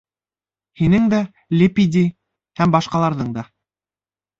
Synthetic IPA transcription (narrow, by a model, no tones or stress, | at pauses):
hinɘŋd̪æ | lʲɪpʲid̪ʲi | hæmbɑʃqɑlˠɑɾðɤɴd̪ɑ